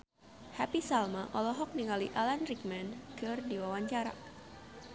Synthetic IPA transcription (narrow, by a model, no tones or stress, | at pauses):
hapisalmaʔɔlɔɦɔk̚niŋaliʔalanrik̚mɛnkɨrdiwawaɲt͡ʃaɾa̰